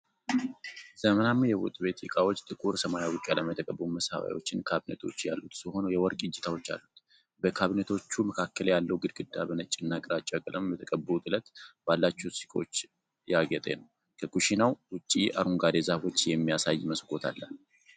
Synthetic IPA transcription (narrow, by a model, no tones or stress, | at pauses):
z̥əmənamːjɛwo̰t̪ʼbe̞t̪ɨkʼawo̞t͡ʃːt̪ʼɨkʼuɾsəmajawukʼjaləmət̪ʰəkʼəbːəuməsha̰wa̰jwo̞̰t͡ʃːɪnkʰaβinet̪ʰo̞t͡ʃːjalːut̪sɨho̞nojɛwɔɾkʼɨd͡ʒːɛt̪ʰawo̞t͡ʃːa̰lːut̪ | bəkʰaβinet̪ʰo̞t͡ʃːuməkʰakʰːəljalːəwɡɨd̪ɡɨd̪ːabənət͡ʃʼːɨnːakʼɾat͡ʃʼakʼɨləmjɛt̪ʰəkʼəbːəut̪ʼɨlət̪b̥alːat͡ʃːɛsi̥kʼot͡ʃː | jaɡət̪ʼḛnəw | kʰəkʼuʃinawwʊt͡ʃʼːiaɾuŋɡad̪ezafo̞t͡ʃːjɛmːijasajːməskʼo̞t̪ʰa̰lːal